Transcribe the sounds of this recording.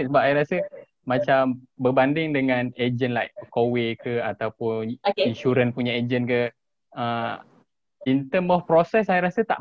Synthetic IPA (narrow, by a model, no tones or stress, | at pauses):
səbap̚sajɾasə | mat͡ʃambərbandɪŋdəŋãned͡ʒənlajʔkowekʰəat̪awpʊninʃuɾənpuɲaed͡ʒənkə | ə | int̪əmɔfpɾosɛsajaɾasət̪a̰ʔ